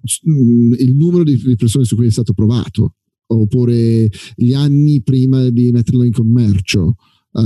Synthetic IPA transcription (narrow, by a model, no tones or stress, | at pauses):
silnuːmeɾod̪id̪ipersoːnesukːuːjɛst̪aːt̪opɾova̰ːt̪o̰ | opːuːɾeʎianːipɾiːmad̪imet̪ːeɾrloiŋkomːɛrt͡ʃo